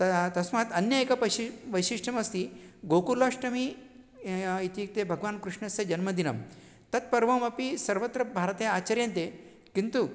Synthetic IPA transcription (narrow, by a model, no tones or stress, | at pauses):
t̪ɐt̪ɐsmɐɐt̪ɐnjɐeːkɐpɐiʋɐjʃiʂʈʰɐmɐst̪iɡokulaʂʈɐmi | it̪ik̚t̪ebʱɐɡʋaːnkɾuʂɳɐsɐd͡ʒɐnmɐd̪inɐm | t̪ɐt̪̚pɐɾʋɐmɐpisɐɾʋɐt̪ɾɐbʱaːɾɐt̪eːjaːt͡ɕɐɾjɐnt̪e | kint̪u